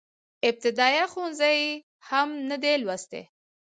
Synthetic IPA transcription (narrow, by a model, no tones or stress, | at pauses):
ɪb̚t̪ɪd̪ɑjaxonzaj | hamnəd̪elwast̪ḛ